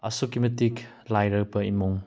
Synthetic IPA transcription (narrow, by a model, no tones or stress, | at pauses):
ɐ̰sukimɐtik | lajɾɐk̚bɐimuŋ